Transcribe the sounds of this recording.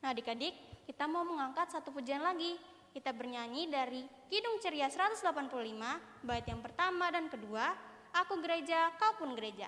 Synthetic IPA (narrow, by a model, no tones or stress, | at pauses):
nahdikadɪkːit̪amauməŋaŋkat̪sat̪upud͡ʒanlaɡi | kit̪abərɲaɲidaɾikidʊŋt͡ʃəɾiasəɾat̪ʊsdəlapanpululima | baɪt̪jaŋpərt̪amadankədua | akuɡəɾed͡ʒakaupʊnɡəɾed͡ʒa̰